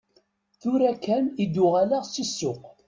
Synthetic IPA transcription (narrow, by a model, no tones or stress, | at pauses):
θʊɾækːænid̪ːʊʁalaʁsisːʊq